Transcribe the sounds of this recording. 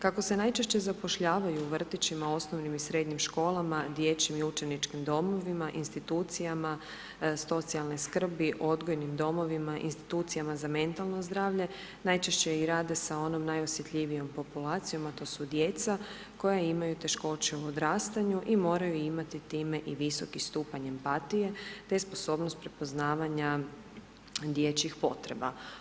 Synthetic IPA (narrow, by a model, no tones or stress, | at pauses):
kako̞se̞najt͡ʃeʃt͡ɕe̞zapo̞ʃʎaːʋajuːʋr̩t̪it͡ɕimao̞snoʋnimisɾed̪ɲimʃko̞ːlˠamad̪je̞t͡ɕimiut͡ʃe̞nit͡ʃkimd̪o̞mo̞ʋimaʔinst̪it̪uːt̪sijama | so̞t̪sialneskr̩biʔo̞d̪ɡo̞jnimd̪o̞mo̞ʋimaʔḭnst̪i̥t̪uːt̪sijamazame̞nt̪alˠno̞zd̪ɾaːʋʎe̞ | najt͡ʃeʃt͡ɕeiɾaːd̪e̞sao̞no̞mnajo̞sje̞t̪ʎiʋijo̞mpo̞pulaːt̪sijo̞mat̪o̞ːsud̪jet̪sa | ko̞jaimajut̪e̞ʃko̞t͡ɕeuod̪ɾaːst̪aɲuʔimo̞ːɾajuimat̪it̪iːme̞ʔiʋiso̞kist̪uːpaɲempat̪ije̞t̪espo̞so̞ːbnost̪̚pɾepo̞znaːʋaɲa | d̪jet͡ɕixpo̞t̪ɾe̞ba